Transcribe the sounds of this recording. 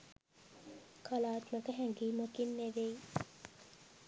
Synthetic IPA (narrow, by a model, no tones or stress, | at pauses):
kalaːt̪məkəɦæŋɡiːməkinːeʋej